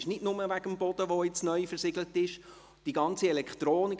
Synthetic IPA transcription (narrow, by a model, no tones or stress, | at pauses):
ʃnɪdnʊməʋæɡəmbɔd̥̪əʋoɪt͡snœʏjfəɾsɪɡlətɪʃ | d̥iɡɑnt͡siɛlɛkχt̪ɾoːnɪk